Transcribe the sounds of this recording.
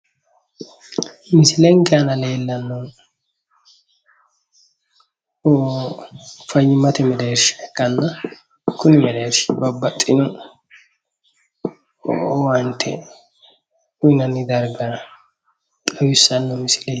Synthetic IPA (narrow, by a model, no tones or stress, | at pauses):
mɪsɪlɛŋɡɛɐnɐleːlːɐnːɔ | o | fɐjːɪmɐt̪ɛmɛd̪ɐɛɾʃɐ̥ɛkːɐnːɐ | kʊnɪmɛlɛt̪bɐbːɐt̪ʼːɪnɔ | wɐnt̪ʰːɛ̰ | ʊɪnɐnːɪd̪ɐɾɡɐ | kʼɐwɪsːɐnːɔmɪsɪ̥lɛ